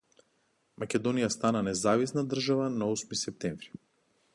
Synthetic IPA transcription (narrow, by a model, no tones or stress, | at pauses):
makʲɛd̪ɔnijast̪ananɛzavisnad̪r̩ʒavanaɔsmisɛp̚t̪ɛɱvɾi̥